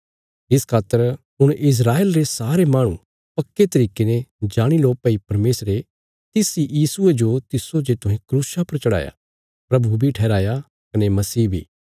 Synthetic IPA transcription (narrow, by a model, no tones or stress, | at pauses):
ɪskʰaːt̪ːəɾ | ʊɽ̃ʔɪs̬ɾaːeːlɾesaːɾemaːɽ̃ṵ̃ | pɐkːet̪ɐɾiːkenẽd͡ʒaːɽ̃iloːpɐipɐɾmeːsɾe | t̪ɪsijiːsʊed͡ʒot̪ɪsod͡ʒet̪ʊɦẽkɾuːsapɐɾt͡ʃɐɽa̰ːja̰ | pɾɐbubʱiʈʰɛːɾaːja | kɐnemɐsiːbʱḭː